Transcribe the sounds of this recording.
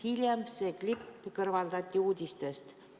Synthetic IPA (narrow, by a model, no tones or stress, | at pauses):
hilʲjɑmseklʲipːkɤ̆rvɑld̪ɑt̪ʲːiuːd̪ʲist̪est̪